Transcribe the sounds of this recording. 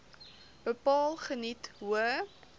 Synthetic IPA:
b̥əpɑːlˠχənitɦuə

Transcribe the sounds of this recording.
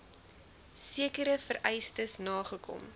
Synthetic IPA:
siəkəɾəfəɾʔɛjstəsnɑːχəkʰɔ̰m

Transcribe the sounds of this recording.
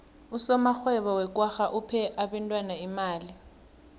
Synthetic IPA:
usɔmaxwɛɓɔwɛk̬ʼwaxaʔupʰɛʔaɓɛntʼwanaimaːli

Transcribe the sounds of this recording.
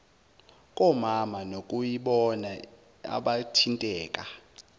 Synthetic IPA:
kʼɔmamanokʼujiɓɔna | a̰ɓatʰintʼɛːkʼa

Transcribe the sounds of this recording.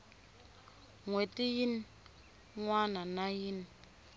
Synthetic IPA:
ŋwetʼijin | ŋwananajini

